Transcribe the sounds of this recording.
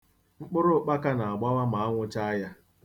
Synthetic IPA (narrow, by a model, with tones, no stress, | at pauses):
ŋ͡m̩˦k͡pʊ˦ɾʊ˦˨k͡pa˦ka˦na˨a˨ɡ͡ba˦wa˦ma˨a˦ŋʷʊ˦t͡ʃa˦a˦ja˦